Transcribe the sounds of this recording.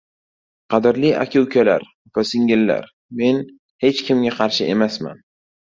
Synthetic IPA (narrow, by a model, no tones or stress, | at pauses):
qʰɑd̪ɪɾlia̰kʲʰʊwkʲala̰ɾ | v̥asɪŋɡʲɪlːa̰ɾ | me̞n | he̞t͡ʃkʲʰɪmɡʲaqʰɑɾʃɪʔe̞masma̰n